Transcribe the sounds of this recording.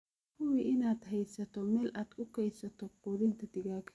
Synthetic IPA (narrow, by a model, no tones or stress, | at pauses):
kʰʊwiʔɪnaːd̪ɦɛjsɐt̪ʰɔmɛːlʔaːd̪kʰʊkʰɛjsɐt̪ʰɔqʊðɪnt̪ʰɐd̪ɪɣaːkʰɐ̥